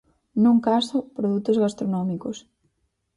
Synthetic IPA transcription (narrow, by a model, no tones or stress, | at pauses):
nũŋkasʊpɾoðut̪ozɣast̪ɾonɔmikos